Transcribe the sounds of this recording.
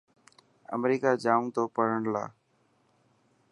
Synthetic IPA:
ə̰mɾiːkaːd͡ʒaːmt̪oːpəɽəɳla̰ː

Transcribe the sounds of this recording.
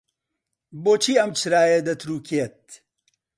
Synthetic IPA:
boːt͡ʃʰiːɐmt͡ʃʰɨɾaːjed̪ɐt̪ʰɾuːkʰet̪̚

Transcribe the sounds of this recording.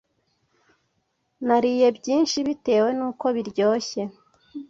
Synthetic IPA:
naɾiːje̞bɟiːnʃiβite̞ːwe̞nuːko̞βiɾɟo̞ːçe̞

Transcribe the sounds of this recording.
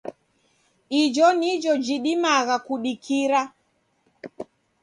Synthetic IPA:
id͡ʒɔnid͡ʒɔd͡ʒiɗimaɣakuɗikʰiɾa

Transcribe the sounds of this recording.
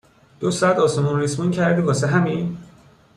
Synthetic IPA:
d̪̥osɔæd̪ɒːsemɔnrismuncʰæɾd̪ibɒːseɦæmin

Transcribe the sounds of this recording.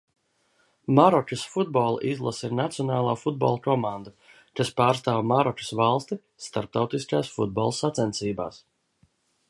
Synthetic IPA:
maɾɔkʲasfud̪̚bɔlˠa̰ʔizlˠasiɾnat̪sijɔnaːlˠaːfud̪̚bɔ̰lˠkɔmãnd̪a | kaspaːɾst̪aːwmaɾɔku̥svalˠst̪i | st̪aɾp̚t̪awt̪iskaːsfud̪̚bɔlˠsat̪sɛnt̪siːba̰ːs

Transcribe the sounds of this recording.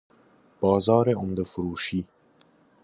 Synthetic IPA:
b̥ɑːzɑːɾeʊmd̪əfuɾuːʃi

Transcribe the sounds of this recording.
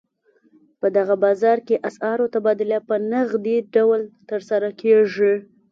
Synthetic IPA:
pəd̪aɣabɑzɑɾkeʔasɑɾot̪abɑd̪ɪlapənaɣd̪eɖawlt̪əɾsaɾakʰeʐi

